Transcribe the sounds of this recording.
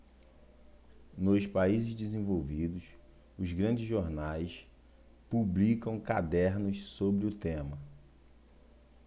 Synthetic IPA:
nʊspaizɪzd͡ʒɪzẽvowvid̪ʊs | ʊzɡɾɐ̃d͡ʒɪzʒoɾnajs | publikɐ̃w̃kad̪ɛɾnʊssobɾɪʊt̪ẽmɐ

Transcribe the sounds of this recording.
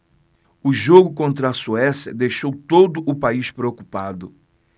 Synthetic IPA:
ʊʒoɡʊkõnt̪ɾɐɐsuɛsjɐ̰d̪ejʃowt̪od̪ʊʔːpaispɾeokupad̪ʊ

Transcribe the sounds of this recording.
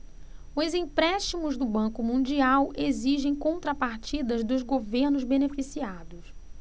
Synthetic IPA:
ʊzĩpɾɛʃt͡ʃimʊzd̪ʊbɐ̃kʊmũd͡ʒiawʔeziʒẽj̃kõnt̪ɾɐpaɾt͡ʃid̪ɐzd̪ʊzɡoveɾnʊzbenefisiad̪ʊs

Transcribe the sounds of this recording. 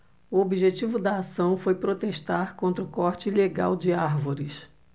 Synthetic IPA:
uobiʒet͡ʃivʊd̪ɐːsɐ̃w̃fojpɾot̪eʃt̪aɾkõnt̪ɾʊkɔɾt͡ʃɪleɡa̰wd͡ʒɪaɾvoɾɪs

